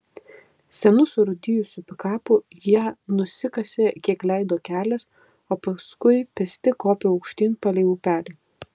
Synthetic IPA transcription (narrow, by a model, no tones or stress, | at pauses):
sʲɛnʊsʊɾʊd̪ʲɪjʊsʲʊpʲɪkɑːpʊ | jiɛnʊsʲɪkɐsʲeːkʲiɛklʲɛɪd̪oːkʲæːlʲɛs | oːpɐskʊɪpʲɛsʲt̪ʲɪkoːpʲeɐʊkʃʲt̪ʲiːnpɐlʲɛɪʋuːpʲæːlʲɛː